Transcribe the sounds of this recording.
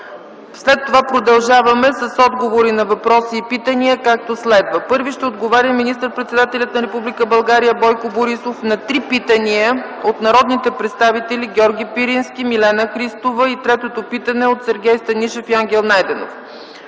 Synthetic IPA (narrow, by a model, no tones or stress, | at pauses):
slɛt̪ːovapɾod̪ɐlˠʒavɐmɛsɐsɔd̪ɡovoɾinɐvɐpɾɔsiːpit̪əniəkak̚t̪oslɛd̪vəpɤɾviʃt̪ɛod̪ɡovaɾʲəminist̪ɾəpɾɛt̪sɛd̪at̪ɛlʲɐt̪nɐɾɛpublikəbɐlˠɡaɾijəbɔjkoboɾisofnɐt̪ɾipit̪əniə | ot̪nɐɾɔd̪nit̪ɛpɾɛt̪st̪avit̪ɛlʲiɡʲɔɾɡʲipiɾinskʲimilɛnəxɾist̪ovəit̪ɾɛt̪ot̪opit̪ənɛot̪sɛɾɡʲɛjst̪ɐniʃɛfjaŋɡʲɛlˠnajd̪ɛno̰f